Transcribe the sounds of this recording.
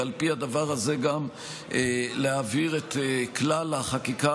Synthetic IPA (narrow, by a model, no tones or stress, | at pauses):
alpihad̪avaʁazeɡam | eleaviʁet̪eklalaχakika